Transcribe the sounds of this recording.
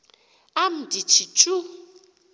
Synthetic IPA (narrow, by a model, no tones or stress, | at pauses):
am̩dit͡ʃʰit͡ʃʼu